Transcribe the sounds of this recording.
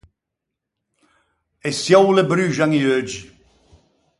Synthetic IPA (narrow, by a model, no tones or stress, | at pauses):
esjɔwləbɾyʒaŋiød͡ʒi